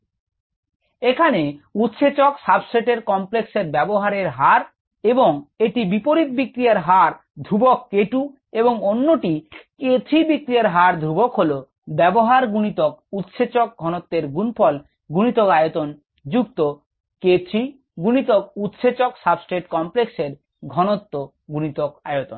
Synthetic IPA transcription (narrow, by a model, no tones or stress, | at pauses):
ekʰaneut̪ːʃʰet͡ɕoksabsʈeʈeɾkɔmplekseɾbɛboɦaɾeɾɦaɾ | eboŋeʈibipoɾit̪̚bikɾiaɾɦaɾ | d̪ʱɾubokːeʈu | eboŋonːoʈiket̪ʰɾibikɾiaɾɦaɾd̪ʱɾubokɦolo | bɛboɦaɾɡunit̪ok̚ut̪ʃet͡ɕok̚ɡʱɔnot̪ːeɾɡunpʰɔl | ɡunit̪okajot̪on | d͡ʑuk̚t̪o | ket̪ʰɾi | ɡunit̪ok̚ut̪ʃet͡ɕoksabsʈeʈkɔmplekseɾ | ɡʱɔnot̪ːo | ɡunit̪oka̰jot̪on